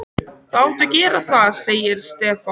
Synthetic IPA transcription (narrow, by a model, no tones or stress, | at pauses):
θawt̪ʏcɛːɾaθaðseːjɪɾ̥st̪ɛːfa